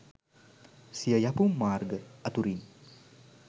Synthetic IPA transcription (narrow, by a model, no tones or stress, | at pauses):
siəjapumaɾɡəɐt̪uɾin